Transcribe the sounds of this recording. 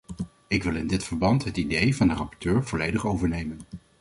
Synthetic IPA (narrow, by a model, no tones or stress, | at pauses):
ɪkʋɪlˠɪndɪtfəɹbɑntɦətidejvɑndərɑpɔ̥ɹtøːɹv̥ɔlejdəχowvəɹnejmən